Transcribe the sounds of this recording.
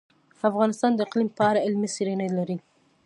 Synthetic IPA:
afɣɑnɪst̪ɑnd̪əɪqlimpəaɾaɪlmisiɾenajlaɾi

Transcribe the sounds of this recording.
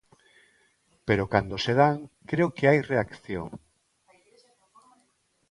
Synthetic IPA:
peɾokand̪oseð̞aŋkɾeokeajreakθjo̰ŋ

